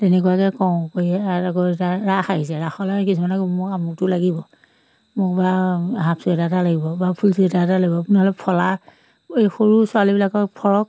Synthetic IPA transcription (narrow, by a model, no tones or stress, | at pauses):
tɛnɛkuakɛkɔw̃kojɛaakɔetaɹaxaɦis̬ɛɹaxɔlakisumanaɡibɔmʊkamuk̚tʊlaɡibɔ | mʊk̚baɦapsuɛtatalaɡibɔbapʰulsuɛtatalaɡibɔapʊnɛɦɔlɛpʰɔla | ejxoɹusʊalibilakɔpʰɔɹɔk̚